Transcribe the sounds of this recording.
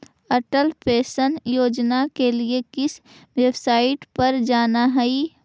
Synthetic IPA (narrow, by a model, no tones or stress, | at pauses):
ɐʈəlpeːsənjoːd͡ʒnakeliekɪs | weːbsaːɪʈpɐɾd͡ʒaːnaɦɛi